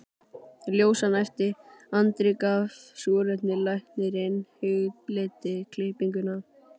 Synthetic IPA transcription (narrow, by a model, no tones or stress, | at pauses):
ljoːwsanɛjft̪ɪant̪ɾɪkavsɔːɾʏt̪nɪlajht̪nɪɾɪnhʏɣplɪːt̪ɪkʰlɪhpiŋkʏna